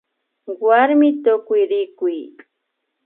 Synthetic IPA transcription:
waɾmɪt̪ʊkʊjɾɪkʊj

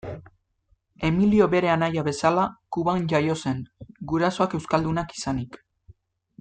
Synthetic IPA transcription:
e̞milio̞βe̞ɾe̞anajaβe̞salakuβanʝajo̞se̞ŋɡuɾaso̞ake̞wskald̪unaki̥sanik

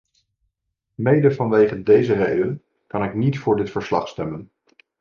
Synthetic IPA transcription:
mejdəvɑnʋejχəndejzərejdən | kɑnɪknitfʊːɹdɪtfəɹslɑ̰χstɛmən

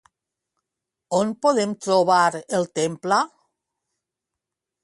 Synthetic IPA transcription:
onpoðemt̪ɾoβaɾelˠt̪empla

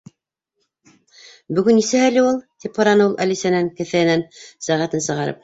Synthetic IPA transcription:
bɵ̆ɡɵnːisæɦælɘulˠt̪ip̚χɑɾɑnɤulˠʔælisænæŋkɘ̆θæɘ̆nænsæʁæt̪ɘnsɤ̆ʁɑɾɤ̰p̚

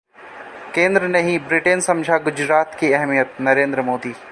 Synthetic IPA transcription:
kẽːnd̪ɾənɐɦĩbɾɪʈensɐ̃md͡ʒʱaɡʊd͡ʒɾaːt̪kiɛɦmijət̪̚nɐɾẽːnd̪ɾəmoːd̪iː

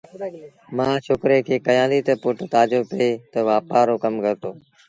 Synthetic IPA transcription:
mãːt͡ʃʰokɾeːkʰeːkəjãːnd̪iːt̪əpʊʈt̪aːd͡ʒopeeːt̪əʋaːpaːɾoːkəmɡəɾt̪oː

